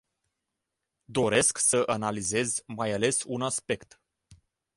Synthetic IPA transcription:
d̪o̞ɾe̞sksəʔanalize̞zʲmajale̞sunaspe̞kt̪

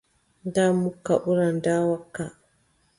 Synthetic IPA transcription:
damːukːaʔuɾandaːwakːa

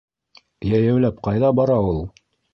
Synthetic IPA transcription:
jæjæwlæp̚qɑjðɑbɑɾɑulˠ

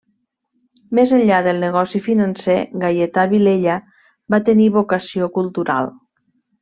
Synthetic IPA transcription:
mezəʎʎaðəlˠnəɣ̞ɔsifinənseɣajet̪aβileʎə | bat̪əniβokəsiokulˠt̪uɾa̰lˠ

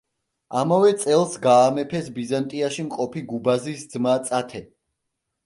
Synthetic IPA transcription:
amavɛt̪sʼɛlˠsɡaːmɛpʰɛsbizant̪ʼiaʃimqʼɔpʰiɡubazisd̪z̥mat̪sʼat̪ʰɛ

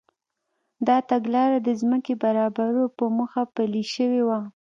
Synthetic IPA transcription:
d̪ɑt̪aɡlɑɾad̪əzməkebaɾɑbaɾopəmuxapəliʃəwewa

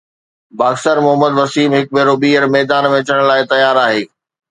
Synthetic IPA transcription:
baːksəɾmʊɦəməd̪ʋɐsiːmɦɪk̚bʱeːɾoːbiːəɾmɛːd̪aːnʋẽɐt͡ɕəɽ̃laːɪt̪ɐjaːɾaːɦeː

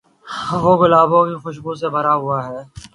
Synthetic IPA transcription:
ʋoːɡʊlaːbõkixʊʃɡuːs̬ebəɾaɦʊaːɦɛː

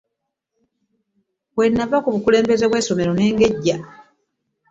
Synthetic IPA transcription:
βwe̞nːavakuβukule̞ːmbe̞ze̞βwe̞ːso̞me̞ɾo̞ne̞ːŋɡe̞ɟːa

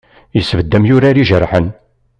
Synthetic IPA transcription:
jəsːvəd̪ːæmjʊɾaɾiʒəɾˤħən

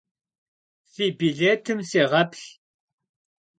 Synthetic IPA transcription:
θibiɮeːt̪ʰɨmsiʁɐpɬ

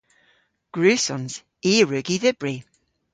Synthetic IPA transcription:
ɡ̥ɹʉːsɔnz̥ | iːɹʉɡiðɪb̥ɹi

